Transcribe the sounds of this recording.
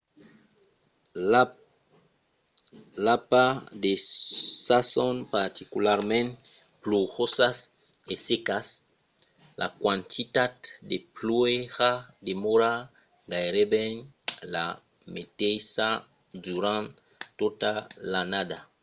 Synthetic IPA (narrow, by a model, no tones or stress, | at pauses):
lapadesasɔnpaɾt̪ikulaʁmɛ̃n | pluʁosas | esekas | lʔa̰kwãnt̪ʰitaddeplweʁademoɾa | ɡajɾebɛn | la̰ | metesa | duɾãn | totalanada